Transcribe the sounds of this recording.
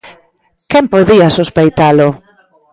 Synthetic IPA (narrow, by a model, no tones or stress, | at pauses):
kɛmpoðiasuspejt̪alʊ